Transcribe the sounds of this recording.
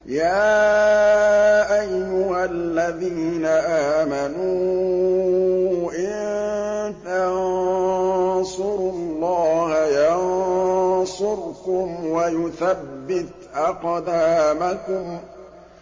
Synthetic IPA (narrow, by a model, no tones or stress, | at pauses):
jaː | ʔajːʊhalːaðiːnaʔaːmanuː | ʔɪn | t̪an | sʊɾʊllˤːɑːhajɑn | sˤʊɾkʊmwajʊθabbːɪt̪ʔɑqd̪aːmakʊm